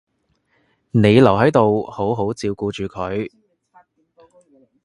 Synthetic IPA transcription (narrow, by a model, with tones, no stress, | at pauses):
ne˨˧jlɐ˨˩wɦɐ˨˥jt̪o˨who˨˥wɦo˨˥wt͡siː˧wkuː˨˧t͡ʃyː˨˧kʰɵ˨˥ɥ